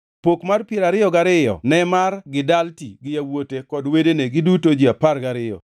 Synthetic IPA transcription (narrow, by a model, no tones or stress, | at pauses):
pokmarpjeɾaɾɪjɔɡaɾɪjɔ̰nɛmarɡɪdaltiɡɪjawotekɔdwedeneɡɪdutod͡ʒiaparɡaɾɪjɔ̰